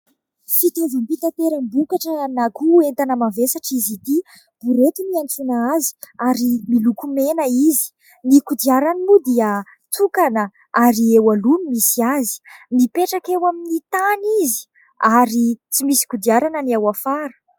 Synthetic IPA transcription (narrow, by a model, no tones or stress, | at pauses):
fit̪evəmpit̪at̪eɾəmbukaʈ͡ʂənakuent̪anəmavesaʈ͡ʂizit̪i | b̥uɾet̪imianʈ͡ʂunaazi̥aɾimilukumenəizi̥ | nikud̪iaɾanimud̪iə | t̪ʰukanə | aɾiewalunimisiazi̥nipeʈ͡ʂakewaminit̪anizi̥ | aɾit͡simisi̥kud̪iaɾanəniawafaɾə̥